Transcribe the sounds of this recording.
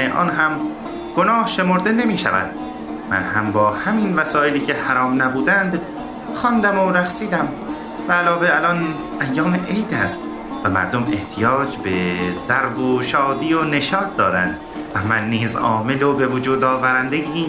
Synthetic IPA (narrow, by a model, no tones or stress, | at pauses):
eʔɒ̰ːnɦæm | ɡ̥onɒːhʃe̞moɾd̪e̞ne̞miːʃæ̰væ̰nd̪̥ | mæ̰nɦæmbɒːhæmiːnvæsɒːʔeliːcʰe̞hæɾɒːmnæbuːd̪ænd̪ | xɒnd̪æmoɾæxsiːd̪æm | væːlɒːveælɒn | æjːɒːmeʔejd̪æːst̪ | væmæ̰ɾd̪ome̞̰ht̪ʰijɒːd͡ʒbezæɾboʃɒːd̪iːone̞ʃɒːt̪̚d̪ɒːɾænd̪ | væmænːiːzɒ̰ːme̞lobe̞vod͡ʒuːd̪ɒːvæɾænd̪ejː